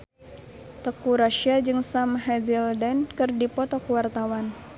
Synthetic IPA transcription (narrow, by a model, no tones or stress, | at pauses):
t̪əkuɾaʃiad͡ʒɨŋsamɦɛd͡ʒildɛnkɨrdipɔt̪ɔkuwart̪awan